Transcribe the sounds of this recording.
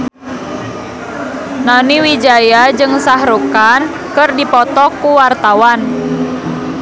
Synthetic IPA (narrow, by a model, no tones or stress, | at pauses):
naniwid͡ʒajad͡ʒɨŋsaɦɾukan | kɨrdipɔt̪ɔkːuwart̪awan